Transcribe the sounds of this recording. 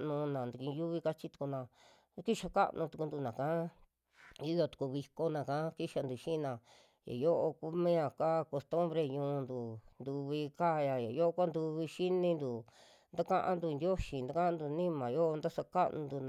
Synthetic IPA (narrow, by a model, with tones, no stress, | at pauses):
nũ˧nã˨nd̪u˧ĩ˧ju˦βi˧ka˦t͡ʃi˧˦t̪u̥˧ku˧nã˨ | ki˦ʃa˧ka̰˦ʔnʔũ˧t̪u˧ku˧nd̪u˧nã˨kã˦ | i˦jo˧t̪u̥˨˧ku˧βi˧ko˧nã˨kã˦ki˦ʃa˧nd̪u˧ʃĩ˦˧nã˨ | ja̰˨jo˦ʔo˧ku˦mĩ˦ã˧˨ka˦˧ko˧st̪u˦mbɾe˧ɲũː˧nd̪u˨nd̪u˧βi˧ka˦˧ja˧ja˨jo˦ʔo˧kʷa˦nd̪u˧βi˧ʃi˦nĩ˧nd̪u˨ | nd̪a˦kã˦ʔã̰˦nd̪u˧nd̪ʲjo˦ʃi˨nd̪a˦kã˦ã˦nd̪u˧nĩ˦mã˨jo˦o˧nd̪a˦sa˧ka˦ʔnũ˧nd̪u˧n˨